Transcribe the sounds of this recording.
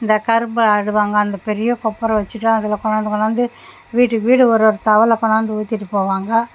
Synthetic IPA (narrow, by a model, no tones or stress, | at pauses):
ɪnd̪ɐkɐɾɯmbɐɐɽɯʋaːŋɡɐːnd̪ɐpɛɾɪjɐkɔpːɐɾɐ̃ʋɐt͡ʃːɯʈːɯ̃ɐðɪlɐkɔɳaːnd̪ɯkɔɳaːnd̪ɯ | ʋiːʈːɯkːɯʋiːɽɯɔɾɔɾɯt̪ɐʋɐlɐkɔɳaːnd̪ɯuːt̪ːɪʈːɯpoːʋaːŋɡɐ